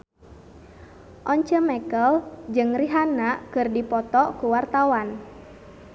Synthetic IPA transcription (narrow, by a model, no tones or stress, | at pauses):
ʔɔɲt͡ʃəmɛkəld͡ʒɨŋriɦanaʔkɨrdipɔt̪ɔkuwart̪awan